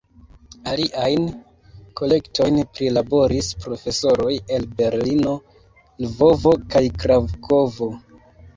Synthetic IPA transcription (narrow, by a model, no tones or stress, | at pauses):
aliʔajn | ko̞le̞kto̞jnpɾilabo̞ɾispɾo̞fe̞so̞ɾo̞je̞lbe̞ɾlino̞ | lvo̞vo̞kajkɾavkʰo̞vo̞